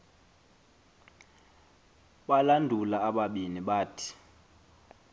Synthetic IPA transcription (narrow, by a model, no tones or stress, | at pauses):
ɓalandʱulaːɓaɓiniɓaːtʰi̥